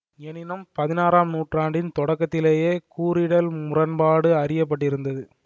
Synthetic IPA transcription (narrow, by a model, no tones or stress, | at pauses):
ɛnɪnɐmpɐðɪnaːɾaːmnuːʈraːɳɖɪnt̪ɔɽɐkːɐt̪ːɪleːjeːkuːɾɪɽɐlmʊrɐnbaːɽɯɐrɪjɐp̬ːɐʈːɪɾɯnd̪ɐðɯ